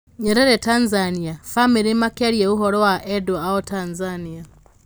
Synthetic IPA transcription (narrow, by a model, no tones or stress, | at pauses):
ɲɛɾɛɾɛtanzaniafamiɾimakaɾjɛuɦɔɾɔwaʔɛdɔaɔtanzania